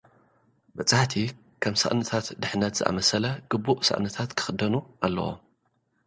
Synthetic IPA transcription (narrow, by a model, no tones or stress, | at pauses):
bɐt͡sʼaħt̪ʰi | kʰɐmsɐ̰ʔʼnɨt̪ʰat̪d̪ɨħnɐt̪z̥ɨʔa̰mɐsɐlɐɡ̥ɨbuʔsɐ̰ʔnɨt̪ʰat̪kʰɨ̥xɨd̪ɐnuʔalːɐ̰wo̰m